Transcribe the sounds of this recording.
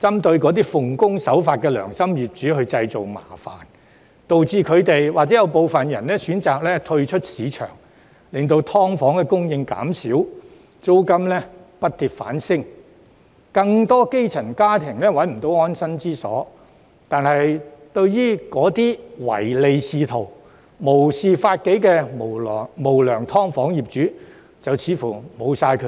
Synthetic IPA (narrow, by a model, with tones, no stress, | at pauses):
t͡sɐ˥mt̪ɵ˧ɥkɔː˨˥t̪iː˥fʊ˨ŋkʊ˥ŋsɐ˨˥wfaː˧t̚kɛː˧lœ̰ː˨˩ŋsɐ˥mjiː˨p̚t͡ʃyː˨˥ɦɵ˧ɥt͡sɐ˧jt͡so˨wma̰ː˨˩fa̰ː˨˩n | t̪o˨wt͡siː˧kʰɵ˨˧ɥt̪e˨jwaː˨t͡sɛ˨˥jɐ˨˧wpo˨wfɐ˨njɐ̰˨˩nlɛː˥syː˨˥nt͡saː˨k̚lɛː˥t̪ʰɵ˧ɥt͡ʃʰɵ˥t̚siː˨˧t͡ʃʰœ̰ː˨˩ŋ | lɪ˨˩ŋt̪o˧wt̪ʰɔː˥ŋfɔː˨˥ŋkɛː˧kʊ˥ŋjɪ˧ŋka̰ː˨˥msiː˨˥w | t͡so˥wkɐ˥mlɛ˥pɐ˥t̚t̪iː˨p̚fa̰ː˨˥nsɪ˥ŋ | kɐ˧ŋt̪ɔː˥ke˥jt͡sʰɐ˨˩nkaː˥t̪ʰɪ˨˩ŋlɛː˥wɐ˨˥nm̩˨˩t̪o˧˥wɔː˥nsɐ˥nt͡siː˥sɔ̰ː˨˥ | t̪aː˨nɐ˨jt̪ɵ˧ɥjiː˥kɔː˨˥t̪iː˥wɐ̰˨˩jle˨jsiː˨˧t̪ʰo˨˩w | mo˨˩wsiː˨faː˧t̚ke˨˥jkɛː˧m˨˩˨mo˨˩wlœː˨˩ŋt̪ʰɔː˥ŋfɔː˨˥ŋjiː˨˩p̚t͡ʃyː˨˥ | t͡sɐ˨wt͡sʰiː˨˥fu˨˩mo˨˧wsaː˧jkʰɵ˨˧˥